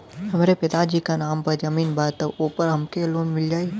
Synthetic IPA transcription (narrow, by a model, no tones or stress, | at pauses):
hɐmːɾepɪt̪ad͡ʒiːkanaːmpɐɾd͡ʒɐmiːnbaːt̪ɐboːpəɾɦɐmkeloːnmɪld͡ʒaːi